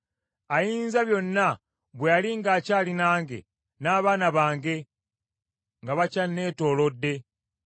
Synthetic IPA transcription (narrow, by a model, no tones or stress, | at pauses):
ajiːnzaβjo̞nːa | βwealiŋɡaːcaːlinaːŋɡe̞̰ | naːβaːnaβaːŋɡe̞ | ŋɡaβacanːe̞ːto̞ːlo̞dːe̞